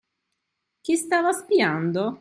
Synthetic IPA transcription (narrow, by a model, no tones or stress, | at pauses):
k̟ist̪aːvaspiand̪o